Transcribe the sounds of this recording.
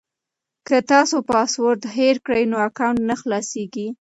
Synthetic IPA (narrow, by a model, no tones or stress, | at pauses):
kət̪ɑsopɑswoɾd̪heɾkɽəjnoakawnt̪naxlɑseɡi